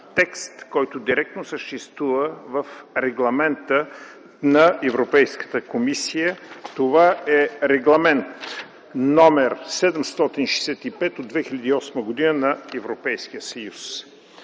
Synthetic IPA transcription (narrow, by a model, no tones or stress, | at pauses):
t̪ɛkst̪kɔjt̪od̪iɾɛk̚t̪nosəʃt̪ɛst̪vuvəvəfɾɛɡlˠɐmɛnt̪ə | nɐɛvɾopɛjskə̥t̪əkomisijət̪ovaɛɾɛɡlˠɐmɛnt̪ | nɔmɛɾsɛd̪ɛmst̪ɔt̪inʃɛsɛt̪ipɛt̪od̪̚vɛxilʲɐd̪iːɔsməɡod̪inənɐɛvɾopɛjsk̟ijəsəjus